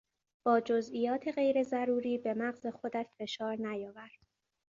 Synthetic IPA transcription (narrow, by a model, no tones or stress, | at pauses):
b̥ɒːd͡ʒozʔiːjɒːt̪ʰe̞ɣe̞jɾe̞zæɾuːɾiːbe̞mæɣze̞xod̪æt̪fe̞ʃɒːɾnæjɒːvæɾd̪̥